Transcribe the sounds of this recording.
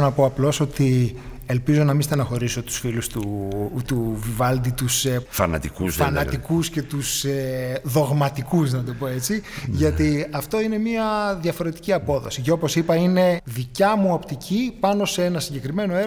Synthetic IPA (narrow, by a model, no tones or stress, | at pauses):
nɐpo̞ɐplo̞so̞t̪i | e̞lpizo̞nɐmist̪ɐnɐxo̞ɾiso̞t̪u̥sfilust̪ut̪uvivɐld̪it̪usefɐnɐ̰t̪ikusfɐnɐt̪ikusce̞t̪useðo̞ɣmɐt̪ikusnɐd̪o̞po̞e̞t͡siʝɐt̪iɐft̪o̞ine̞miɐðjɐfo̞ɾe̞t̪i̥ciɐpo̞ðo̞̰siceo̞po̞sipɐine̞ðicɐmuopt̪icʰipɐno̞see̞nɐsiɲɟe̞kɾime̞no̞eɾ